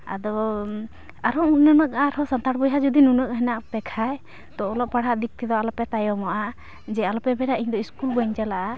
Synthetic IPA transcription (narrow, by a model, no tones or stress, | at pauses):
a̰d̪ɔ | aɾɔnunəkaɾɔsɔnt̪aɾbɔjɦad͡ʒud̪inunək̚ɦɛnaʔpɛkʰaj | t̪ɔːlɔʔ̚paɽ̤aʔd̪ik̚t̪ʰid̪ɔalɔpɛt̪ajɔmɔʔa | d͡ʒɛalɔpɛbɛɾaʔiɲd̪ɔiskulbɔɲd͡ʒalaʔa